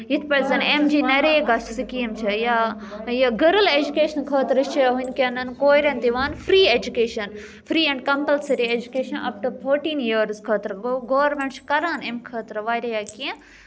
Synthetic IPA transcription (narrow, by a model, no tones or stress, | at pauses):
jit̪ʰpɐlzɐnemd͡ʒiːnɐɾeːɡɐsʈsikiːɐmt͡ʃʰɐja | jaɡəɾəled͡ʒukeːʃɐnkʰɐːt̪ɾt͡ʃʰɐɦunkɐnɐnkoːjɾẽnd̪iʋaːnfɾiːed͡ʒukeːʃɐn | fɾiːɛ̃ɳɖkɐ̃mpəlseɾied͡ʒukeːʃɐnɐ̰fʈɐɾpʰoːɾʈĩːnjiɾzkʰɐːt̪ɾɡoːʋɾmẽɳʈt͡ʃkɐɾaːnemkʰɐːt̪ɾʋaːjɾejakiẽ